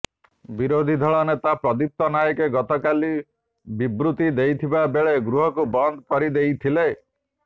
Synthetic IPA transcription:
biɾod̪ʱid̪ʱɔɭɔnet̪apɾɔd̪ip̚t̪ɔnajɔkeɡɔt̪ɔkali | bibɾut̪id̪ejt̪ʰibabeɭeɡɾuɦɔkubɔnd̪ʱkɔɾid̪ejt̪ʰile

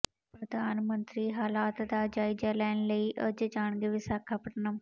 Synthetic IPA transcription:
pɾəd̪aːnmənt̪ɾiːɦaːlaːt̪d̪aːd͡ʒaːid͡ʒaːlɛːnləiːʔəd͡ʒd͡ʒaːɳɡeːʋɪsaːkʰːaːpəʈnaː

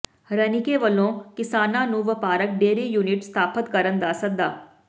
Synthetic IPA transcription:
ɾənɪkeːʋəlõːkɪsaːnãːnũːʋəpaːɾək̚ɖeːɾiːjuːnɪʈst̪ʰaːpʰət̪kəɾənd̪aːsək̚d̪aː

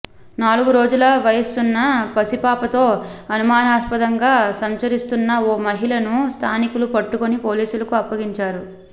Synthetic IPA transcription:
naːluɡuɾo̞ːd͡ʒulɐʋɐjɐsunːɐpɐsipaːpɐt̪o̞ːɐnumaːnaːspɐd̪ɐŋɡaːsɐmt͡ʃɐɾist̪unːɐoːmɐɦilɐnust̪ʰaːnikulupɐʈːukonipo̞ːliːsulɐkuɐpːɐɡiɲt͡ʃaːɾu

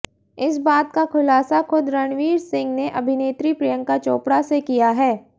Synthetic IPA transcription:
ɪsbaːt̪̚kakʰʊlaːsakʰʊd̪ɾəɳ̃ʋiːɾsɪ̃ŋɡneʔɐbʱɪneːt̪ɾipɾɐjə̃ŋkat͡ʃoːpɽasekijaɦɛː

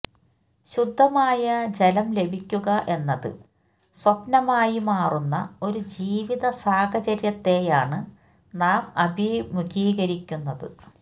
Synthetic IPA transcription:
ɕud̪ʱːɐmaːjɐd͡ʑelɐmle̞bʱikʲːuɣɐʔe̞nːɐðɨ̰ | swɐpnɐmaːjimaːrunːɐ̰o̞ɾud͡ʑiːʋiðɐsaːkɐt͡ɕɐɾjɐt̪ːe̞jaːɳɨ | naːmɐbʱimuɣiːɣɐɾikʲːunːɐðɨ̰

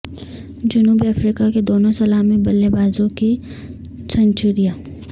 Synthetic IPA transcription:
d͡ʒʊnuːbiɐfɾiːkaked̪oːnõsɐlaːmibɐlːebaːzõki | sɐ̃ɲt͡ʃʊɾijaː

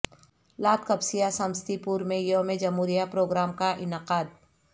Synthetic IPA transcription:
laːt̪kɐbsijasə̃mst̪ipuːɾmẽjomẽd͡ʒɐmɦuːɾijapɾoːɡɾaːmkaʔɪnəqaːd̪̚

